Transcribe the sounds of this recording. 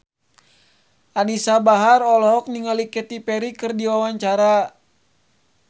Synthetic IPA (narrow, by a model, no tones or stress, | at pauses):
ʔanisabaɦarɔlɔɦɔk̚niŋalikɛt̪ipɛɾikɨrdiwawaɲt͡ʃaɾa